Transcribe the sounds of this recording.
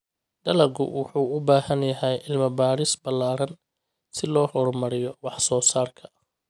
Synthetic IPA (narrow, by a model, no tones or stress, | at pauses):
d̪ɐlɐɡʊ̰wɑħuːʊbaːhɐnjɐɦɛjʔɪlmɐbaːɾɪsbɐlːaːɾɐn | sɪlɔːhɔrmɐɾɪjɔwɑħsɔːsaːrkʰɐʔɐ